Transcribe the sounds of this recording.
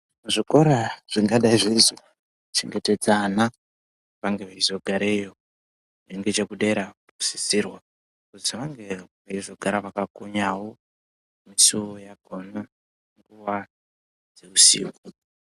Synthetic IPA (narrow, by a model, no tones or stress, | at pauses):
muʐiko̞ɾaʐ̥iŋɡaɗaiʐizo | t͡ʃḛŋɡe̞te̞d͡zana | ʋaŋɡeʋaizo̞ɡʱaɾejo | neŋɡet͡ʃekuɗe̞ɾapu̥si̥sirwa | kuziʋaŋɡe̞ʋaizo̞ɡʱaɾaʋakakoɲawo | misuojaɡʱona | ŋɡuʋa | d͡ze̞usḭːɡu